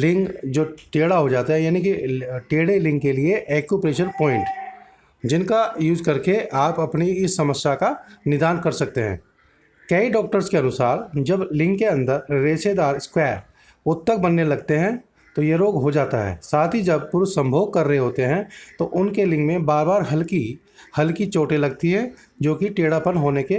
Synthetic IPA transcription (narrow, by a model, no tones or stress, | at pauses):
lɪ̃ŋɡd͡ʒoːʈeːɽaɦod͡ʒaːt̪aɦɛjaːnikiʈeːɽelɪ̃ŋɡkelieʔeːkjupɾeːʃənpɔːɪ̃ɳʈ | d͡ʒɪnkajuːzkɐɾkeʔaːpɐpniɪsːɐməsjakanɪd̪aːnkɐɾsɐk̚t̪eɦɛ̰̃ː | kɛiɖɔːk̚ʈəɾskeɐnʊsaːɾd͡ʒɐblɪ̃ŋkːeɐ̃nd̪əɾːeːʃed̪aːɾɪskwɛːɾ | ʊt̪ːək̚bənːelɐɡt̪eɦɛ̃ | t̪ojeɾoːɡɦod͡ʒaːt̪aɦɛ̰ːsaːt̪ʰid͡ʒɐb̚pʊɾsə̃mbʱoːɡ̚kɐɾːəɦeɦoːt̪eɦɛ̃t̪oʔʊnkelɪ̃ŋɡmẽbaːɾbaːɾɦɐlki | hɐlkit͡ʃoːʈelɐɡ̚t̪iɦɛ̃ | d͡ʒoːkiʈeːɽapənɦoːneke